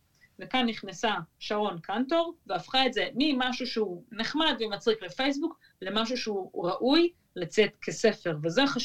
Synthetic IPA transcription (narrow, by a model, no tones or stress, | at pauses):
vekanːiχnasaʃaʁo̞nkʰanto̞ʁveafχaetze̞mimaʃuʃeuneχmad̪vemat͡sʁiklefe̞js̬buk | le̞maʃ̬uʃeuʁaʔuj | lat͡se̞tkʰe̞se̞fe̞ʁvezeaχa